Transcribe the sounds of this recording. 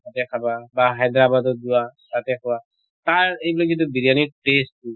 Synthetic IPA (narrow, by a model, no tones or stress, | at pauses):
atɛkʰababaɦajd̪ɾabad̪ɔduwasat̪ɛkʰɔwa | t̪aɹejbilɔkint̪ubiɾijaniʈestːu